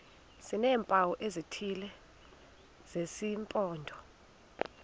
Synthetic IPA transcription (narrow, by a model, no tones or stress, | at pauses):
sinɛːmpʼawɔʔezitʰilɛ | z̥esimpʼɔːndʱɔ